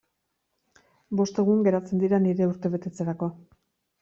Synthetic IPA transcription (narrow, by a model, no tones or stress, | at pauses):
bo̞st̪e̞ɣ̞uŋɡe̞ɾat͡se̞nd̪iɾaniɾe̞uɾt̪e̞βe̞t̪e̞t͡se̞ɾako̞